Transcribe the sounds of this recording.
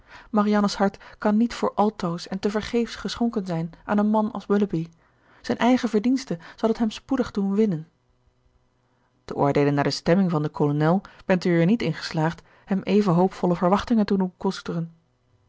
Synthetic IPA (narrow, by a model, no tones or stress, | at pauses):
mɑriɑnəshɑɹtkɑnːitfʊːɹʔɑlˠtowsɛntəvəɹχejfsχəsχɔŋkənzɛjnʔa̰ːnənmɑnɑ̰lˠswɵləbi | z̥ɛjnʔɛjχəvəɹdinstəz̥ɑlˠɦətɦɛmspudəχdunʋɪnən | d̥əʔo̰ːɹdejlənːaːɹdəstɛmɪŋvɑndəkʰolonɛlˠb̥ɛntəəːɹnitɪnχə̥slaːχt | hɛmʔejvənɦowpfɔləvəɹʋɑχtɪŋəntudunkɔstərən